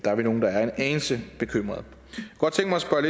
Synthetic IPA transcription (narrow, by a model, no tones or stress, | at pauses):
d̥ɑ̈æɐʋino̝ːn̩d̥ɑ̈æɐe̝nɛːnsəb̥e̝kʰøm̰ʁɐðˠ | ɡ̥ɒ̽d̥̚t͡sʰeŋɡ̥mɑɪɐsb̥ɶɐle